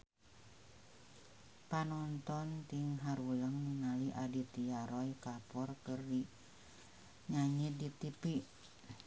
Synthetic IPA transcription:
panɔnt̪ɔnt̪iŋɦaɾuləŋniŋaliʔadit̪iaɾɔjkapɔrkərdi | ɲaɲidit̪ipi

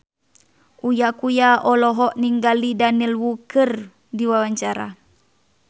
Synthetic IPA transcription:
ujakujaɔlɔɦɔʔniŋɡalidanilwukər | diwawaɲt͡ʃaɾa̰

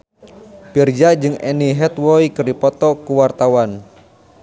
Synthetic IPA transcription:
pird͡ʒad͡ʒɨŋɛniɦɛt̪wɔikɨrdipɔt̪ɔkuwart̪awan

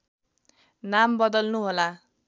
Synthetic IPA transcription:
nambʌd̪ʌlnuɦola

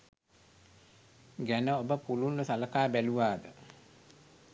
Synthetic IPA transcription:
ɡænəobəpulunːusaləkaːbæluʋaːd̪ə

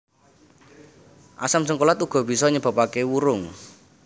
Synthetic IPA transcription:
ʔa̰samsəŋkolat̪uɡ̥ɔ̤b̥i̤sɔɲəb̥a̤pakewuɾʊŋ

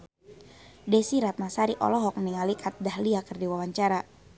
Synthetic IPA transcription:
desiɾat̪̚masaɾiʔɔ̰lɔɦɔk̚niŋalikʰat̪̚dahliakɨrdiwawaɲt͡ʃaɾa

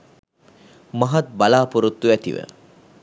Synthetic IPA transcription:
maɦat̪̚balaːpuɾut̪ːuæt̪ḭʋə̰

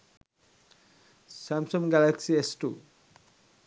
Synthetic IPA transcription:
sæmsomɡɛleksiesʈu

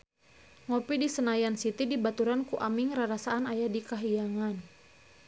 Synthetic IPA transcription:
ŋɔpidisənajansit̪idibat̪uɾankuʔamɪŋraɾasaːnajadikaɦijaŋan

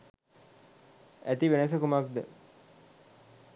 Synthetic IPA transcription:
æt̪iʋenəs̬əkumak̚d̪ə

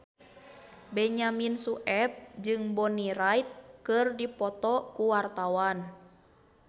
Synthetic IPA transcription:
bɛɲaminsuʔɛp̚d͡ʒɨŋbɔniɾajt̪̚kɨrdipɔt̪ɔkuwart̪awan

